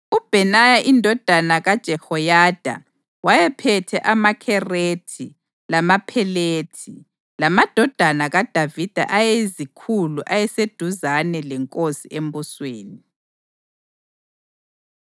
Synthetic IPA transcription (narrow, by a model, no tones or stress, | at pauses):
ub̥ʱɛnajaʔindʱɔd̥ʱanaɣad̥ʒ̥ʱɛhɔjad̥ʱa̰ | wajɛpʰɛtʰɛ̰ʔamakʰɛreːtʰi | lamapʰɛleːtʰi | lamad̥ʱɔd̥ʱanaɣad̥ʱavid̥ʱa̰ʔajɛzikʰuluʔajɛsed̥ʱuzanɛlɛŋkʼosiʔembusweːni